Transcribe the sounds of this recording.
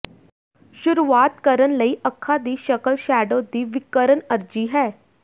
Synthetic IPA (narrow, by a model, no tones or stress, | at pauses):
ʃʊɾuʋaːt̪kəɾənləiːʔɐkʰːad̪iːʃəkəlʃæːɖod̪iːʋɪkːəɾənəɾd͡ʒiɦɛː